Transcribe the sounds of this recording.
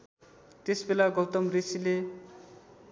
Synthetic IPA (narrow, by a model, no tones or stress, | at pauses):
t̪esbelaɡʌwt̪ʌmrisile